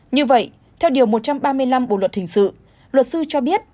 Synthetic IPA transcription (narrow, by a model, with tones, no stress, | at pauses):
ɲɨ˧və̰˧˨j | t̪ʰɛ˧wɗi˨˩əwmo˨˩t̚t͡ɕa˧mɓaː˧mɨ˧əjla˧mɓo̰˧˨lwə˨˩t̚hï˧˩ŋ̟sɨ̰˧˨ | lwə˨˩t̚sɨ˧t͡ɕɔ˧ɓi˦˥ət̚